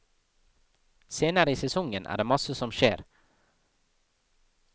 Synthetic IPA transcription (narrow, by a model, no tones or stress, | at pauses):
seːnəɾəiːsɛsɔŋənʔæ̰ːɖeːmɑsəsɔmʃḛːɾ